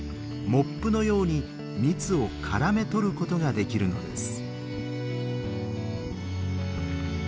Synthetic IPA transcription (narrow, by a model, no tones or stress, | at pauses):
mo̞pːɯno̞jo̞ːɲ̟i | mʲit͡sɨo̞kʰaɾame̞t̪o̞ɾɯ̟ko̞t̪o̞ɡad̪e̞kʲiɾɯ̟no̞d̪e̞̰sɨ̥